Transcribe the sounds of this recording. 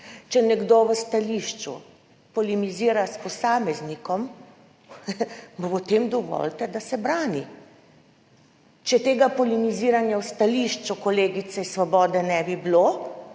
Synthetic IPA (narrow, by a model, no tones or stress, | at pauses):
t͡ʃɛnɛɡd̪oʋəst̪aliːʃt͡ʃṵ | pɔlimiziːɾaspɔsaːmɛznikɔm | bpɔt̪emd̪ɔʋɔ̰lt̪ɛd̪asɛbɾaːni | t͡ʃɛt̪eːɡapɔliniziːɾanjawst̪aliːʃt͡ʃukɔleːɡit̪sɛisʋɔbɔːd̪ɛnɛbiblo